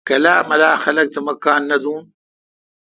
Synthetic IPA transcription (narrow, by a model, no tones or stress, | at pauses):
kɐlaːmɐlaːxɐlɐk̚t̪ɐmɐkaːnːɐd̪uːn